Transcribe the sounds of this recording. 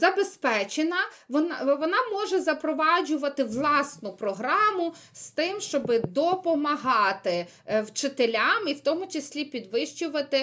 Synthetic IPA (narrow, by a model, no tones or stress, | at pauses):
zɐbespɛt͡ʃenɐʋɔnʋɔnɑmɔʒɛzɐpɾɔʋɑd͡ʒʊʋɐt̪ɪʋlˠɑsnʊpɾɔɦɾɑmʊst̪ɪmʃt͡ʃɔbɪd̪ɔpɔmɐɦɑt̪ɪ | wt͡ʃɪt̪elʲamiwt̪ɔmʊt͡ʃɪsʲlʲipʲid̪ʋɪʃt͡ʃʊʋɐt̪ɪ